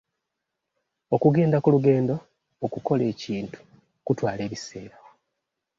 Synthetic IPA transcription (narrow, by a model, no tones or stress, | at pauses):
o̞kuɡe̞ːndakuluɡe̞ːndo̞ː | kuko̞le̞ːciːntu̥ | kutwaːle̞ːβise̞̰ːɾa